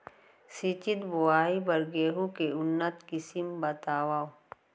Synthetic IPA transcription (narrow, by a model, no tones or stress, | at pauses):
sit͡ʃit̪buwaːibɐɾɡeːɦukeʊnːət̪kisimbɐt̪aːwaːo